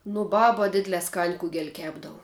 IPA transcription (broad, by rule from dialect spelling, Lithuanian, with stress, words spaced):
nʊ ˈbɑːbɐ ˈdʲɪdʲlʲɛː skɐnʲ ˈkʊɡʲɛlʲ ˈkʲæːbdɐʋʊ